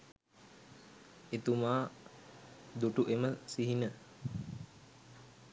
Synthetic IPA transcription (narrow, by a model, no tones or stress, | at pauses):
et̪umaː | d̪uʈuʔeməsiɦinə